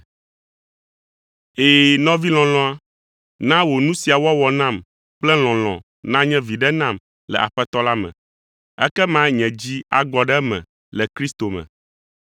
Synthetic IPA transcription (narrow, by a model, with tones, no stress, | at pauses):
eː˨nɔ̃˦vi˦l̃ɔ̃˨lɔ̃˦a˦ | nã˦wo˨nũ˦si˨a˨wɔ˦wɔ˨nã˦˨m | k͡plɛ˦l̃ɔ̃˨l̃ɔ̰̃˨ | nã˦ɲɛ̃˦vi˨ɖɛ˦nã˦˨m | lɛ̰˨ʔa̰˨ɸɛ˦t̪ɔ˦la˦mɛ̰̃˨ | ɛ̰˦kɛ˦mã˦ɲɛ̃˨d͡ʑi˦a̰˨ɡɔ˨ɖɛ˦mɛ̰̃˨ | lɛ˨kɾi˦st̪o˨mɛ̰̃˨